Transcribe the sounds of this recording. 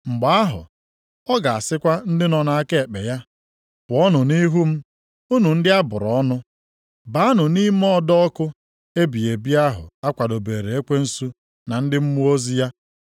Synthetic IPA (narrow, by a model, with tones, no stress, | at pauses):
ŋ͡m̩˨ɡ͡ba˨a˦ɦʊ̰˨ | ɔ˦ɡa˨a˨sɪ˦kʷa˦n̩˦dɪ˦nɔ˨na˨a˦ke˦e˨k͡pe˨ja˦ | pʊ˨ɔ˦nʊ˨ni˦ɦu˦m̩˦ | u˦nu˨n̩˦dɪ˦a˦bʊ̰˨ɾɔ˨ɔ˦nʊ˦ | ba˨˦a˦nʊ˨ni˦m˦ɔ˦˨dɔ˦kʊ˦ | e˦bi˨e˨bi˦a˦ɦʊ̰˨a˦kʷa˨do˨be˨ɾe˨e˦kʷe˦n̩˦su˦ | na˨n̩˦dɪ˦m̩˦mu˦o˦zi˦ja˦